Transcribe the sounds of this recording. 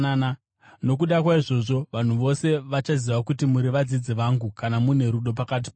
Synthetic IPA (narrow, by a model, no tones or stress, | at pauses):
na | no̞kuɗakwaiʐo̞ʐo̞ʋan̤uʋo̞se̞ʋat͡ʃaziʋakutimuɾiʋad͡zid͡ziʋaŋɡukanamune̞ɾuɗo̞p̬akat̬i̥p